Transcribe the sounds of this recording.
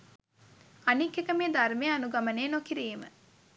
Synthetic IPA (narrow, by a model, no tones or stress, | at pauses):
ɐnikːekəmeːd̪ɐɾmeːɐnuɡɐmɐneːnokiɾiːmə̰